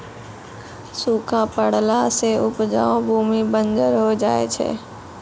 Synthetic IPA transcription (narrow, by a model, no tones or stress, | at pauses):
suːkʰãpəɽlaseʊpd͡ʒa̰ːõbʱuːmibə̃nd͡ʒəɾɦod͡ʒaːḛt͡ʃʰḛː